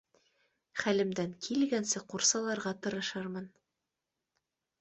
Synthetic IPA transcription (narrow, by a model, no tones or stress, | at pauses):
χælɘ̆md̪æŋkʰilɡænsɘquɾsɑlˠɑɾʁɑt̪ɤ̆ɾɤ̆ʃɑɾmɤn